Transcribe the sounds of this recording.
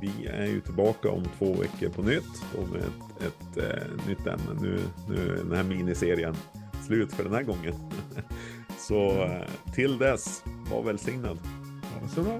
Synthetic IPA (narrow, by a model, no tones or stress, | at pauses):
vɪæɾjɵt̪ʰɪlbɑːkaɔ̰mt̪ʰvoːvɛ̰kːəɾpʰɔnʏt̪ːɔmɛ | ɛt̪nʏt̪ːɛ̰mnə̰nʉ̟̰ːnʉ̟̰ːɖ̪ɛnhæːɾmiːnɪseːɾɪənslʉ̟ːt̪fœɖɛnhæːɾɡɔŋːən | sɔt̪ʰɪld̪ɛsva̰ɾvɛlsɪŋnad̪